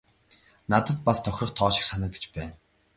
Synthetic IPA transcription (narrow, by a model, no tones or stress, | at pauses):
nat̪ə̆t̪past̪ʰɔxʲrɞ̆χt̪ʰɔːʃɪ̆xsanə̆t̪ə̥̆t͡ɕpæːn